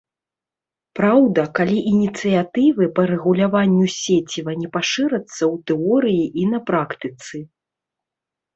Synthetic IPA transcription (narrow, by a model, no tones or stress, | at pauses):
pɾawd̪ɐkalʲiʔinʲit̪sɨjat̪ɨvɨpɐɾɛɣulʲavanʲːusʲet͡sʲivɐnʲɛpaʂɨɾɐt̪sːɐwt̪ɛɔɾɨjiʔinɐpɾakt̪ɨt̪sɨ